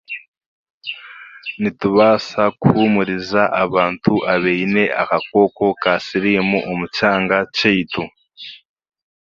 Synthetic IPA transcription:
nituβaːsakuhumuɾizaʔaβaːntuʔaβeine̞a̰kak̚o̞ːko̞kasiɾimuʔomucaːŋɡat͡ʃeitu

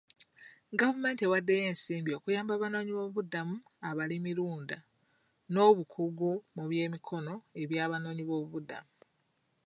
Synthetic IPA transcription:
ɡavume̞ːntiewadːeje̞ːnsiːmbjo̞kujaːmbaβano̞ːɲiβo̞ːβuβudamuaβalimiɾuːnda | no̞ːβukʰuɡumuβje̞ːmikʰo̞no̞e̞βjaːβano̞ːɲiβo̞ːβuβuda̰mu

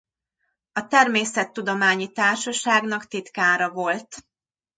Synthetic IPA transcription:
ɒt̪ɛrmeːsɛt̪ːud̪o̞maːɲit̪aːrʃɒʃaːɡnɒkt̪it̪kaːɾɒvo̞lt̪

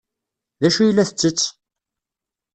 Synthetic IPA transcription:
ðæʃujəlːæθət͡sːət͡sː

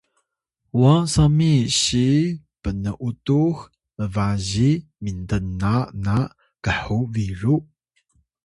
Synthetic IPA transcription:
wasamiɕi | pənəʔutux | məvaʑimintənːana | ɡ̥əħuviɾu

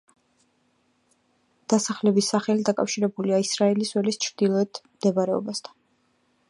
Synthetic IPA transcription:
d̪̥asaχlɛbisːaχɛlid̪akʼa̰fʃiɾɛbuliaisɾaɛliswɛlist͡ʃʰɾd̪̥ilˠɔɛt̪ʰmd̪ɛbaɾɛɔ̰bast̪ʰḁn

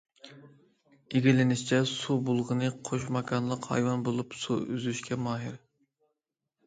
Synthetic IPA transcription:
eɡʲilɪnɪʃt͡ʃʰɛsubolˠʁənɨqʰoʃmɑkʰɑnlˠəqhɑ̰jwɑnbolˠupsuyzyʃkʲɛmɑːɦɪɾ

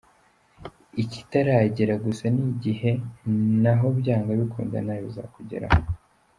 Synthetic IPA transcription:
ici̥taɾaɟiɾaɡusaniɟihe̞naɦo̞bɟaːŋɡaβikʰuːnda̰najoiza̰kuɟe̞̰ɾa̰o

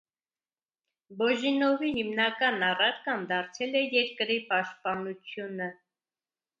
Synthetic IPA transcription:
bɔʒinɔvihimnɑkɑnɑrɑɾkɑnd̪ɑɾt͡sʰɛlɛjɛɾkəɾipɑʃt̪̚pɑnut͡sʰjunə

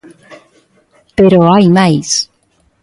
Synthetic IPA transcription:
peɾoajmajs

